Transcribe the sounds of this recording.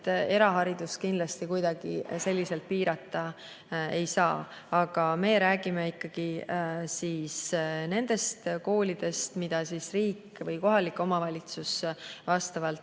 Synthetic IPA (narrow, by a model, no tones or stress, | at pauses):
t̪e̞ɾɑɦɑɾid̪̥uskind̪lɑst̪ikujd̪ɑɡ̥ise̞lʲːise̞lt̪̚piːɾɑt̪ˑːɑ | e̞jsɑːɑɡ̥ɑme̞ːɾæːɡ̥imeikːɑɡ̥isiːsne̞nd̪̥e̞st̪ko̞ːlʲid̪̥e̞st̪mid̪̥ɑsisriːkː | vɤjko̞ɦɑlikːˑo̞mɑvɑlʲit̪susvɑst̪ɑvɑlt̪